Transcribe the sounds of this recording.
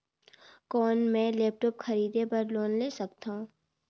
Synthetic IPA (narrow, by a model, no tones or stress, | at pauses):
kɔːnmɛ̃ːlɛːp̚ʈɔːpxɐɾiːd̪epɐɾloːnleːsɐkt̪ã